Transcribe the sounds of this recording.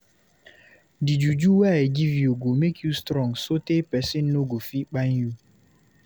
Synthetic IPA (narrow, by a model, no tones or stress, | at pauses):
did͡ʒud͡ʒuwaeɡivioɡomekʰjustɾɔŋsotepɛsɪn̩noɡofik͡paɲju